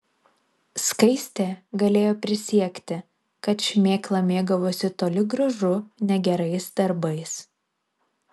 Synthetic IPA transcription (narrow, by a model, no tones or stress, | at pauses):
skɐɪsʲt̪ʲeːɡɐlʲeːjoːpʲɾʲɪsʲiɛkʲt̪ʲɪ | kɐt̪ʃʲmʲeːklˠɐmʲeːɡɐʋoːsʲɪt̪oːlʲɪɡɾɐʒʊnʲɛɡʲɛɾɐɪsd̪ɐɾbɐɪs